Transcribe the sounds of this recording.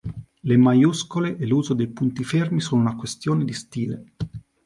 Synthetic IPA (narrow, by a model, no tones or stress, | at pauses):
lemajuskoleʔeluːzod̪ejpunt̪ifermisoːnounakwest̪joːned̪ist̪iːle